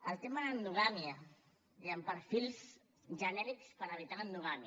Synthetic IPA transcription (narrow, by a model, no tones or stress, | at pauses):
əlt̪emanand̪uɣamia | d̪eampəɾfilˠs | ʒənɛɾikspəɾəβ̞it̪aənd̪uɣamj